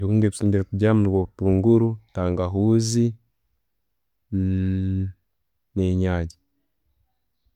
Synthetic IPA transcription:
ikuŋɡeβisoːɲɟeɾekuɟamuwotuːŋɡuɾutaːŋɡaɦuːzi | neɲaːɟi̥

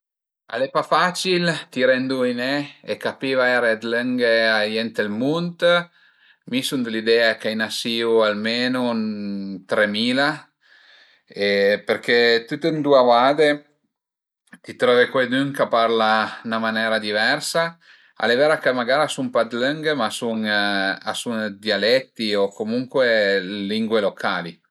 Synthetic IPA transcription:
a̰lepafat͡ʃilt̪iɾɛnd̪uinɛekapivaɛɾead̪ləŋɡeajɛnt̪elmunt̪ | misund̪lid̪ɛakajnasiualmenunt̪ɾemiːla | epeɾket̪ut̪ːend̪uavad̪e | t̪it̪ɾɔvekwejd̪yŋkapaɾlanamanɛːɾad̪ivɛrsa | a̰levɛːɾakemaɡaːɾasumpad̪ləŋɡmasuŋa̰suŋd̪jalɛt̪ːiokomuŋkweliŋɡwelokʰaːli

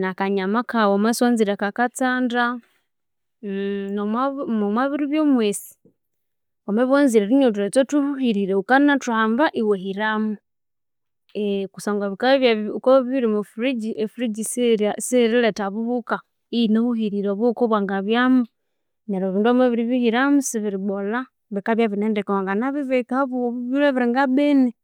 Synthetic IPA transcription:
nakaɲamakawomaswanziɾakakat͡saːnda | nmumwaβiɾiβjomwesi̥ | omeβonziɾeɾiɲot̬uɾet͡sotuhuhiɾiɾeukanatuaːmbaʔiwehiɾamu | ekusoːŋɡaβikaβakoβiβiɾimufɾid͡ʒiʔefuɾid͡ʒissiɾiletaβuβuka | inohuhiɾiɾoβukoβwaŋɡaβjamu | ɲaɾoβiːnduameβiɾiβihiɾamusiβiɾiβola | βikaβjaβineːndekewaŋɡanaβiβekahaβuββileβiɾiŋɡabene

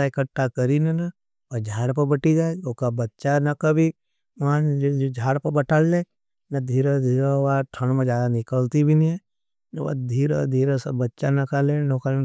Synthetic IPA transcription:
aekəʈːakɐɾinɐnɐ | ʋɐd͡ʒʱaːɾpɐbɐʈid͡ʒaːoːkabɐtːʃanɐkɐbʱi | ãd͡ʒod͡ʒʱaːɾpɐbɐʈalleː | nɐd̪ʱiːɾəd̪ʱiːɾəʋaʈʰə̃ɳmẽd͡ʒaːd̪anɪkəlt̪ibʱinĩɛ̃ | nɐʋa̰d̪ʱiːɾə̰d̪ʱiːɾəsɐbɐtːʃanɐkalẽnoka

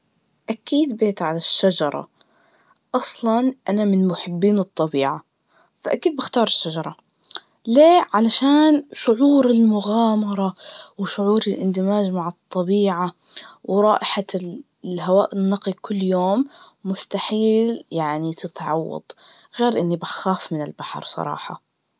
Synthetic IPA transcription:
ʔakiːd̪beːt̪ʕalaʃːad͡ʒɑɾˤɑ̰ | ʔɑsˤlɑnʔanamɪnmʊħɪbːiːnɨt̪ˤːɑbiːʕa | faʔakiːd̪̚bɪxt̪ɑːɾˤɪʃːad͡ʒɑɾˤɑ | leːʕalaʃaːnʃʊʕuːɾɪlmʊɣaːmɑɾˤɑwɪʃʊʕuːɾɪlʔɪ̰nd̪ɪmaːʒmaʕɨt̪ˤːɑbiːʕa | wʔɾˤɑ̰ːʔɪħa | lhawaːʔɪnːɑqikʊlːjoːmː | ʊst̪aħiːljaʕnit̪ɪt̪ʕɑwːɑ̰d̪̥ˤ | ɣeːɾʔɪnːibaxaːfmɪnɪlbaħɑ̰ɾˤsˤɑ̰ɾˤɑ̰ːħɑ̰

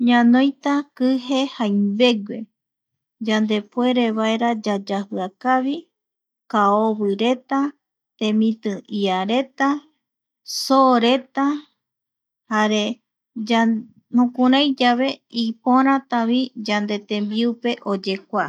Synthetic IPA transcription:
ɲãnõ̞jt̪akɨɦe̞hajmbe̞ɡwe̞ | d͡ʒand̪e̞pwe̞ɾe̞βaeɾad͡ʒad͡ʒahɨakaβi | kaoβɨɾe̞t̪a | t̪ẽ̞mĩt̪ɨ̃iaɾe̞t̪a | soɾe̞t̪a | haɾe̞ | a | nũkũɾãjd͡ʒaβe̞ipõɾ̃ãt̪aβid͡ʒand̪e̞t̪ẽ̞mbiupe̞ʔo̞d͡ʒe̞kʷa

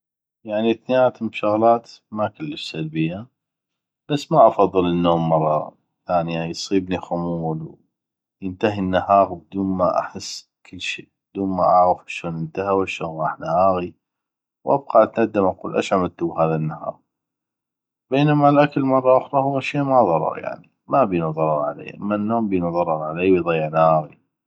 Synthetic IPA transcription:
jaʕniθnɪjaːt̪mbʃʊɣlaːt̪makalːəfsalbɪjːa | b̥asːmaʔɑfɑðˤːɨlənːoːmːɑrˤːɑ̰ | θaːniajsˤiːbnixʊmuːlw | jənt̪aɦinːahɑːɣb̚ɪd̪uːnmaʔa̰ħɪsː | kəlːʃḭːb̚d̪uːnma̰ʔaʕɣəfaʃoːnʔənt̪ahawaʃoːnɣɑːħnahaːɣi | wʔa̰b̚qɑʔat̪nad̪ːamʔɑquːlʔa̰ʃʕamt̪ːʊbɦaːðanːahɑ̰ːɣ | beːnamalʔakalmɑrˤːɑʔʊxɾˤɑhʊwːaʃiːmaðˤɑɾˤɑ̰ɾˤja̰ʕni | mabiːnuðˤɑɾˤɑɾˤʕa̰lḛːʔa̰mːanːoːmbiːnuðˤɑɾˤɑɾˤʕaleːwjðˤɑjːɪʕnahaːɣi

